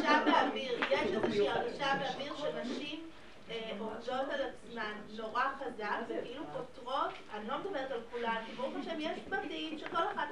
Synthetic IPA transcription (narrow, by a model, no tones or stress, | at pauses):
ʃabeaviʁjeʃlezeʃiaʁɡaʃaveaviʁʃenaʃim | odo̞t̪alat͡smanno̞ʁaχazakvekilupotʁo̞t | anlomed̪abe̞ʁetalkulankibouχaʃevjeʃmadimʃeko̞leχad̪